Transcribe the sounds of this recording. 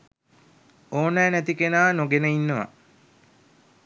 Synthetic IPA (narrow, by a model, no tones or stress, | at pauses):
oːnɛːnæt̪ikenaːnoɡenəinːəʋa̰